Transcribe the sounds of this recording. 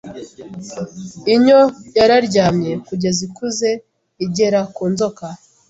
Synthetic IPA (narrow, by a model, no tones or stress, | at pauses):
iɲo̞jaɾaɾɟaːmɲe̞kuɟe̞zikuze̞ | iɟe̞ɾakuːnzo̞ka